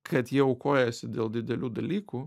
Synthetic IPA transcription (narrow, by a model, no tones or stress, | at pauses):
kʰɐt̪jiɛʊkoːjɛsʲɪd̪ʲeːlˠd̪ʲɪd̪ʲɛlʲuːd̪ɐlʲiːkuː